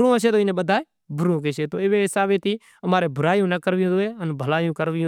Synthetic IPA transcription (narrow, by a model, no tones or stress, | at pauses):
ɾũːəʃeːt̪oːɪnẽːɓəd̪ʱaːeː | bʱʊɾũːkeʃeːt̪oːɪʋeːɦɪsaːʋeːt̪iː | əmaːɾeːbʱʊɾaːjũːnəkəɾʋijõːd̪oːeːənbʱəlaːijũːkəɾʋijõː